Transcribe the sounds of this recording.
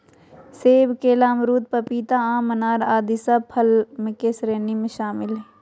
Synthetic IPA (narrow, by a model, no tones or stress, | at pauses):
seːbkeːlaːmɾuːt̪̚pɐpiːt̪aãːmɐnaːɾaːd̪isapʰɐlmẽkeːsɾeːnimẽʃaːmɪlɦɛ